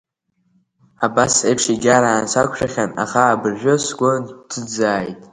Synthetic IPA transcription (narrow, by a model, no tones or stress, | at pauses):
abasejpʰʂiɡʲaɾaːnsakʷʰʼʃᶣaχʲana̰χaːbɨrʒᶣʷʊsɡʷontʰɨd͡zaːjtʼ